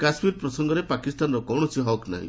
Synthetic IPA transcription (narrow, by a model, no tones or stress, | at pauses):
kasmiɾpɾɔsɔŋɡɔɾepakisʈanɾɔkɔwɳɔsiɦɔkna̰ɦḭ̃